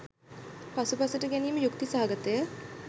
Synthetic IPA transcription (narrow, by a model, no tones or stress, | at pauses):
pasupasəʈəɡæniːməjukt̪isaɦaɡət̪əjə